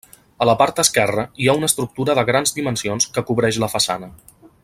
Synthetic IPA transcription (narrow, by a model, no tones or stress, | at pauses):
ələpaɾt̪̚d̪əskɛrəiaunəːst̪ɾuk̚t̪uɾəðəɣɾanzd̪imənsionskəkuβɾɛʃləfəsa̰nə